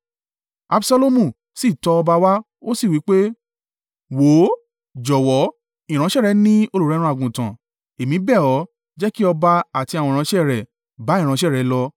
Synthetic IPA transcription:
a̰˧bsa˧lo˧mũ˦˨ | si˦˨tɔ˧ɔ˧ba˧wa˦ | o˦si˦˨wi˨˦k͡pe˦ | wo˨˦ | d͡ʒɔ˨wɔ˨˦ | ĩ˨ɾ̃ã˨˦ʃɛ˦˨ɾɛ˧˦nĩ˦o˧lo˨ɾɛ˦ɾũ˧a˨ɡũ˨tã̰˨ | e˨mĩ˨˦bɛ˦˨ɔ˨˦ | d͡ʒɛ˦ki˦ɔ˧ba˧a˨ti˧a˨wɔ̃˧˨ã˧˦ʃɛ˦˨ɾɛ˨ | ba˨˦i˦˨ɾ̃ã˧˦ʃ̬ɛ˦˨ɾɛ˨˦lɔ˧

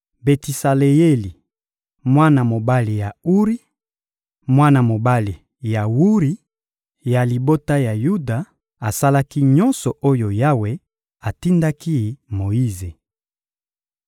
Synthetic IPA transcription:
be˨ti˨sa˨le˨je˦li˨ | mwa˦na˨mo˨ba˦li˨ja˨u˦ʁi˦ | mwa˦na˨mo˨ba˦li˨ | ja˨wu˦ʁi˦ | ja˨li˨bo˦ta˦ja˨ju˦da˨ | a˨sa˦la˦ki˦ɲɔ˦nsɔ˨ʔo˦jo˨ja˦we˨ | a˨ti˦nda˦ki˦mo˨ji˦ze˨

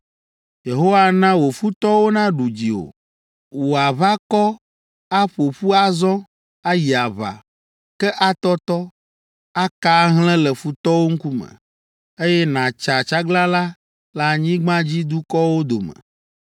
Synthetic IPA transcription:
je˨ɦo˦wa˦nã˦wo˨fu˦t̪ɔ˦wo˦nã˦ɖu˨d͡ʑi˨o̰˨ | wo˨a˨βa˦kɔ˦ | a˦ɸo˨ɸu˦a˦zɔ̃˦ | a˦ji˨a˨βa̰˨ | kɛ˦ʔa˦t̪ɔ˦t̪ɔ˦ | a˦ka˦ɦl̃ɛ̃˦lɛ˨fu˦t̪ɔ˦wo˦ŋ̩˦ku˦mɛ̰̃˨ | e˦jɛ˦nã˨t͡ʃa˨t͡ʃa˦ɡla˦la˦ | la˦ɲĩ˦ɡ͡bã˦d͡ʑi˦d̪u˦kɔ˦wo˦d̪o˨mɛ̰̃˨

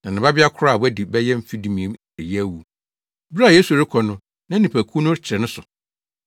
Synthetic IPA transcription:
nã˨nɪ̃˨ba˦bɪ˦a˦kʰʊ˦ɾa˦˨wɛ˦di˨bɛ˦jɛ˦m̩˦fi˦dĩ˦mĩ˨ẽ˨˦m | ɛ˨jɛ˦æ˦wu˨ | bɾa˦˨jeː˦su˨ɾɪ˦kʰɔ˨nʊ̃˦ | nã˦nĩ˨pʰæ˨kʰu˦nʊ̃˦t͡ɕʰɪ˨ɾɛ˨nʊ̃˦sʊ˨

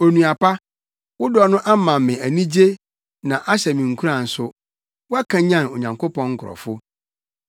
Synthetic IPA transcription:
o˨nũ˨a˨pa˦ | wʊ˦dɔ˨nʊ̃˦ʔa˦mã˨m˨mɪ̃˨æ˨nĩ˦d͡ʑe˦ | nã˨ʔa˦ɕɛ˨mĩ˨ŋ̩˨kʰu˦ɾa˨n̩˨sʊ˦ | wʊ˦a˦kʰã˨˦ɲã˦no˨ɲã˨ŋkʰo˦pɔ̃˦ŋ̩˦kʰʊ˨ɾɔ̰˨fʊ˦

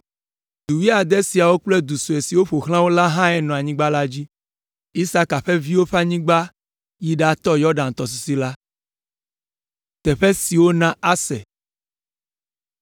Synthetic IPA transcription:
d̪u˨wi˦a˨d̪ɛ˦si˨a˨wo˦k͡plɛ˦d̪u˨su˨e˨si˨wo˦ɸo˨xl̃ã˦wo˦la˦ɦã˦ɛ˦nɔ̃˨a˨ɲĩ˦ɡ͡ba˦la˦d͡ʑi˦ | i˦sa˦ka˨ɸɛ˦vi˦wo˦ɸa˦ɲĩ˦ɡ͡ba˦ | ji˦ɖa˨t̪ɔ˦jɔ˦ɖa˨ŋ̩˨t̪ɔ˨s̬i˨si˦la˦ | t̪ɛ˨ɸɛ˦si˨wo˦nã˦a˦sɛ̰˨

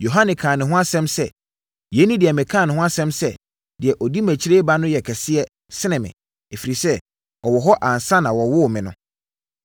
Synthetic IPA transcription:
jo˨ɦã˦nɪ̃˨kʰãː˨nɪ̃˨ɦʊ̃˦a˦sɛ̃˦msɛ˦ | je˨˦nĩ˦dɪ˨ɛ˨mɪ̃˨kʰãː˦˨nɪ̃˨ɦʊ̃˦a˦sɛ̃˦msɛ˦ | dɪ˨ɛ˨ʔɔ˨di˦mæ̃˨t͡ɕʰi˦ɾe˦ba˦nʊ̃˦jɛ˨kʰɛ˨sɪ˦ɛ˦ | sɪ˦nɪ̃˨mɪ̰̃˨ | e˨fi˨ɾi˨sɛ˦ | ɔ˨wɔ˨ɦɔ˦ʔã˨n˨sã˦nã˨wɔ˨wʊ˦˨mɪ̃˨nʊ̰̃˦

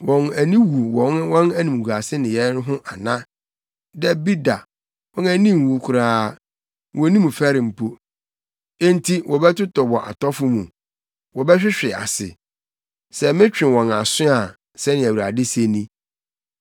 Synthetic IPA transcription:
wɔ̃˨næ˨nĩ˦wu˨wɔ̃˨n˦wɔ̃˦næ˦nĩ˨m˨ɡu˨a˨sɪ˦nɪ̃˨jɛ˨˦n˦ɦʊ̃˦ʔa˨nã˦ | dɛ˦bi˦da˨ | wɔ̃˦næ˦nĩ˦˨m˨wu˨kʰʊ˨ɾaː˦ | wɔ̃˨˦nĩ˦mũ˨fɛ˦ɾɪ̃˨m̩˨pʰo˦ | e˦n˦tʰi˦wɔ˨bɛ˦tʊ˦tɔ˨wɔ˨ʔa̰˨tʰɔ˦fʊ˦mũ˨ | wɔ˨bɛ˦ɕᶣɪ˦ɕᶣɪ˨a̰˨sɪ̰˨ | sɛ˨mɪ̃˦t͡ɕᶣɪ̃˨wɔ̃˨na˨sʊ̃˦a˨ | sɛ˦nɪ̃˨æ˨wu˨ɾa˨dɪ˦se˦nĩ˦

